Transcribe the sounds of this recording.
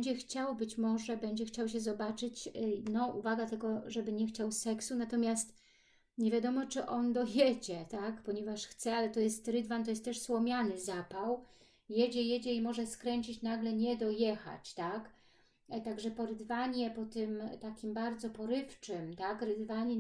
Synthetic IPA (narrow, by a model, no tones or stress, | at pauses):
ɛɲd͡ʑɛxt͡ɕawbɘt͡ɕmɔʐɛbɛɲd͡ʑɛxt͡ɕawɕ̬ɛzɔbat͡ʂɘt͡ɕnɔʔṵvaɡat̪ɛɡɔʐɛbɘɲɛxt͡ɕawsɛksunat̪ɔmʲjast̪ | ɲevʲjad̪ɔmɔt͡ʂɘʔɔnd̪ɔjɛd͡ʑɛt̪akpɔɲɛvaʂxt̪sɛalɛt̪ɔjɛst̪ɾɘd̪vant̪ɔjɛst̪ːɛʂswɔmʲjanɘzapaw | jɛd͡ʑɛjɛd͡ʑɛimɔʐɛskɾɛɲt͡ɕit͡ɕnaɡlɛɲɛd̪ɔjɛxa̰t͡ɕt̪ak | t̪aɡʐɛpɔɾɘd̪vaɲɛpɔt̪ɘmt̪akʲimbaɾd̪zɔpɔɾɘft͡ʂɘmt̪akɾɘd̪vaɲɛ